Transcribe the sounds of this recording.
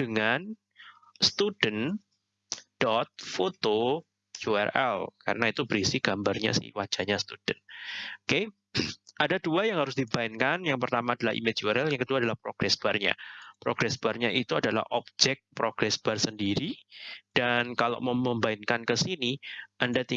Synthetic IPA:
d̥əŋan | st̪udən | d̥ɔt̪̚fot̪o | d͡ʒuɛ̰rʔɛ̰lka̰rənait̪ubɾisɪɡ̥ambarɲa̰sɪ̰hwad͡ʒ̥aɲast̪ud̥ənoke | ʔadaduajaŋɦaɾʊs̬dibaɪnkanjaŋpərt̪amaːdalahḭmed͡ʒuɛɾɛljaŋkəduadalahpɾoɡ̥ɾɛsb̥arɲa̰pɾoɡ̥ɾɛsb̥arɲaʔit̪uadala̰hʔɔb̚d͡ʒɛk̚pɾoɡ̥ɾɛsb̥arsəndiɾid̥ankala̰ʔməməmbaɪnkankəsiniʔandat̪i

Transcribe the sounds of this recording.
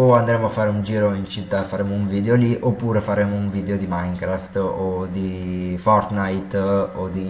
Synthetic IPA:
oand̪ɾeːmoafːaːɾeund͡ʒiːɾoint͡ʃit̪ːafaɾɛːmouɱviːd̪eoliʔopːuːɾefaɾeːmouɱviːd̪eod̪imajŋkɾaft̪od̪ifɔrt̪najt̪od̪i

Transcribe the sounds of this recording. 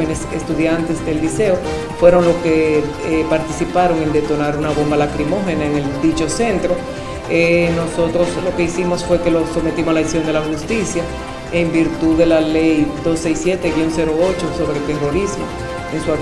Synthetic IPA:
enesḛst̪uðjant̪e̞sd̪e̞llise̞o | fwe̞ɾo̞ŋlo̞ske̞ | epaɾt̪isipaɾo̞ŋe̞nd̪e̞t̪o̞naɾunaβo̞mbalakɾimo̞xe̞naeŋe̞ld̪it͡ʃo̞se̞nt̪ɾo̞ | eno̞so̞t̪ɾo̞slo̞ke̞isimo̞sfwe̞ke̞lo̞so̞met̪imoslaisjo̞nd̪e̞laxust̪isja | embiɾt̪uðe̞lalejd̪o̞sːejsːje̞t̪eiunse̞ɾo̞o̞t͡ʃo̞so̞βɾelt̪e̞ro̞ɾismo̞ | eŋsua

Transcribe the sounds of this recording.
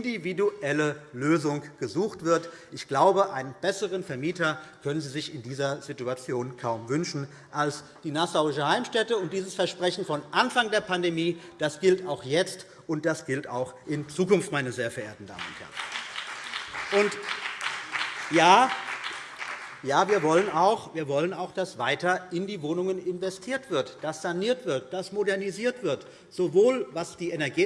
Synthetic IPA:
ɪndividuʔɛləløːzʊŋɡ̥əzuːxtv̥ɪɐt | ʔɪçɡ̥laʊbəʔaɪnənb̥ɛsəʁənfɛɐmiːtɐkʰœnənziːzɪçɪndiːzɐz̥ituat͡sjoːnkʰaʊmvʏnʃn̩ | ʔals | d̥iːnasaʊɪʃəhaɪmʃtɛtəʊnt̚d̥iːzəsfɛɐʃpʁ̥ɛçn̩fɔnʔanfaŋdeːɐpʰandemiːd̥asɡ̥ɪltaʊxjɛt͡st | ʔʊnt̚d̥asɡ̥ɪlta̰ʊxʔɪnt͡suːkʊnftmaɪnəzeːɐfɛɐʔḛːɐtn̩da̰ːmə̰nʊnthɛ̰ɐən̩ | ʔʊnt | jaː | jaːviːɐvɔlənaʊxviːɐvɔlənaʊxd̥asv̥aɪtɐɪndiːvoːnʊŋənɪnvɛstʰiːɐtv̥ɪɐtd̥asz̥aniːɐtv̥ɪɐtd̥asmodɛɐniziːɐtv̥ɪɐt | z̥ovoːlvasd̥iːɛnɛɐɡiː

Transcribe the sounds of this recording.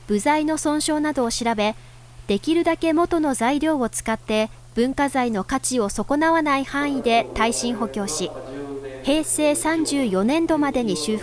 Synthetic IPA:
b̥ɯ̟zaino̞sõ̞ɰ̃ɕo̞ːnad̪o̞ːɕiɾabe̞ | d̪̥e̞kʲiɾɯ̟d̪ake̞mo̞t̪o̞no̞zaiɾʲo̞ːot͡sɨ̥kat̪ːe̞ | b̥ɯ̟̃ŋkazaino̞kat͡ɕio̞so̞ko̞naβanaihãɰ̃id̪e̞t̪aiɕĩɰ̃ɦo̞kʲo̞ːɕi | he̞ːse̞ːsãɲd͡ʑɨːjo̞nẽ̞nd̪o̞mad̪e̞ɲ̟iɕɨː

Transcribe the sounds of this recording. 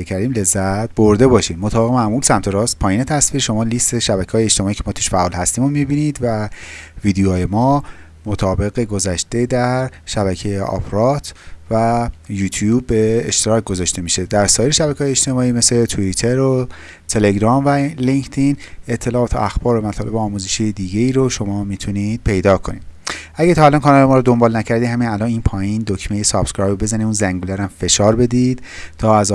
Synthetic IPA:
ecʰæɾd̪iːmle̞zːæt̪̚bo̞ɾd̪e̞bɒːʃiːd̪mo̞t̪ʰɒːbe̞emæʔmuːlsæmt̪ʰe̞ɾɒːst̪̚pʰɒːjiːne̞t̪ʰæsv̥iːɾʃo̞mɒːlist̪e̞ʃæbæcʰeɒːjeeʃt̪emɒːicʰe̞mɒːt̪ʰu̥ʃfæʔɒːlhæst̪iːmomibiːniːd̪vævid̪ejoːjemɒː | mot̪ʰɒːbe̞ɣeɡo̞zæʃt̪e̞d̪æɾʃæβæcʰejeʔɒ̰pɾɒt̪ʰvæjuːt̪ʰjubːeːʃt̪eɾɒːc̚ɡozɒːʃt̪e̞miʃe̞d̪æɾsɒːjeɾeʃæbækʰeːjet͡ʃt̪e̞mɒːiːme̞slet̪ʰuit̪ʰeɾo | t̪ʰe̞leɡɾɒːmvæliŋkt̪ʰine̞t̪ʰːe̞lɒːɒːt̪ʰoʔæxbɒːɾomæt̪ʰɒːlebeɒːmuːzeʃiːjed̪iːɟe̞iːɾoʃo̞mɒːmit̪ʰuniːd̪̥̚pʰe̞jd̪ɒːkʰo̞nḭːd̥̪æɟæt̪ʰɒːælɒnkʰɒnɒlemɒːɾod̪o̞mbɒːlnæcʰæɾd̪iːhæmiːnælɒniːnpʰɒːjiːnd̪okʰmejesɒb̥skɾɒjobe̞zæniuːnzæŋɡulæɾæmfe̞ʃɒːɾbe̞d̪id̪̥t̪ʰɒːæz

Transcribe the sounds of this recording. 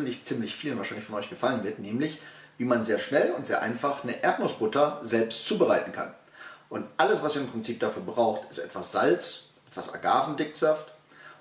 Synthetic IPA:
nlɪçt͡siːmlɪçfiːlənvaːʃaɪnɪçfɔnʔɔʏçɡ̥əfalənvɪɐtnɛːmlɪçviːmanzeːɐʃnɛlʊntz̥eːɐʔa̰ɪnfaχnəʔɛɐtnosb̥ʊtɐzɛlpstt͡suːbəʁaɪtn̩kʰa̰n | ʔʊntʔaləsv̥asiːɐɪmpʁ̥ɪnt͡siːp̚d̥afyːɐbʁaʊxtɪstʔɛ̰tv̥asz̥alt͡sʔɛtv̥asa̰ɡaːvn̩dɪkz̥aft

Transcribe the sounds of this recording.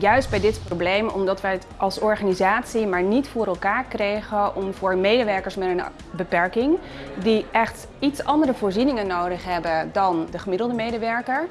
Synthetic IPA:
jœɥsd̚bɛjdɪtproblejmɔ̰mdɑtʋəətɑlˠsɔɹχanizaːtsimaːɹnitfʊːɾɛlˠkaːɹkrejχəʔɔmvʊːɹmejdəʋɛɹkəɹsmɛtən | bəpɛɹkɪŋ | diʔɛχt | itsɑndərəvʊːɹzinɪŋənːowdəχɦɛbədɑndəχəmɪdəlˠdəmejdəʋɛɹkəɹ

